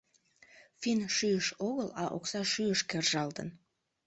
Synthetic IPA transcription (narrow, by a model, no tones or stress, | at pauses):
finʃyəʃoɣəlɑʔo̰ksɑʃyəʃkerʒɑlˠd̪ə̰̆n